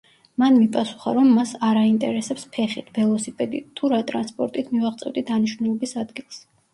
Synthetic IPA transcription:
manmipʼasu̥χa̰ɾɔmːasaɾaint̪ʼɛ̰ɾɛsɛpspʰɛχit̪ʰb̥ɛlˠɔsipʼɛd̪it̪ʰuɾat̪ʼɾanspʼɔɾt̪ʼit̪ʰmivaʁt̪sʼɛ̰vd̪id̪aniʃvnulˠɔbisad̪ɡilˠs

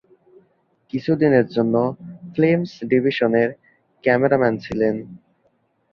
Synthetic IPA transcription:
kit͡ɕʰud̪ineɾd͡ʑonːoflemsɖibʱiʃoneɾ | kɛmeɾamɛnt͡ɕʰilen

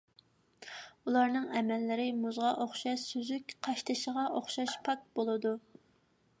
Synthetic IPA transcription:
ulˠɑɾnɨŋɛmɛlːɪɾɪmuzʁɑʔoχʃɑʃsøzykʲqʰɑʃt̪ʰɨʃəʁɑʔoχʃɑʃpʰɑk̚bolˠɨd̪u

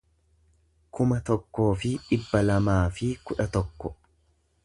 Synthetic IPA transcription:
kʊmɐt̪ɔkːo̞ːfɪᶑɪbːɐlɐmaːfɪkʊᶑɐt̪ɔkːɔ̥

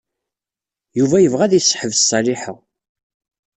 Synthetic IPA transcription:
juvæjəvʁæðjsːħəvsˤːɑliħəʁ

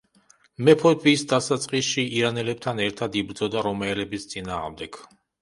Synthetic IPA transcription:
mɛpʰɔt̪viːsd̪asat̪sʼqʼisʃiiɾanɛlɛp̚t̪ʰanɛɾt̪ʰad̪ibɾd̪zɔd̪aɾɔmaɛlɛbist̪sʼinaːʁmd̪ɛɡ̥

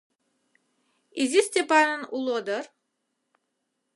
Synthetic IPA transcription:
izisʲt̪ʲepanɯnulˠod̪ɯɾ

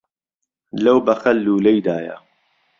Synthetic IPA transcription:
lɐwbɐxɐlːuːlɐjd̪aːjɐ̰

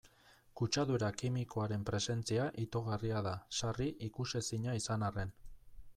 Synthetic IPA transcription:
kut͡ʃaðuɾakimiko̞aɾe̞mpɾe̞se̞nt͡siaʔit̪o̞ɣ̞ariað̞asariʔikusesiɲaisanare̞n

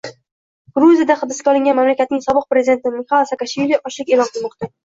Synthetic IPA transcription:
ɡ̥ɾuzijad̪aχɨb̪ɪskʲaɒlˠɪŋɡʲanmamlakʲat̪nɪŋsɒbɨq̚pɾe̞zid̪e̞nt̪ɪmɪχalˠsakaʃvilʲiʔɒʃlˠɪkʲe̞lɒnqʰɨlˠmɒqt̪a

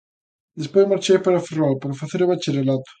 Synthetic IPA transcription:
d̪espojzmaɾt͡ʃejpaɾɐferalpoɾfaθeɾoβat͡ʃeɾelat̪ʊ̥

